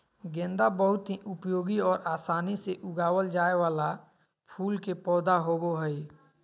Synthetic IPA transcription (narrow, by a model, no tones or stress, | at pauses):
ɡɛ̃ːnd̪abəɦʊt̪ɦiʔʊpjoːɡiɔːɾaːsaːniseʔʊɡaːwəld͡ʒaːewaːla | pʰuːlkepɔːd̪aɦoboɦəi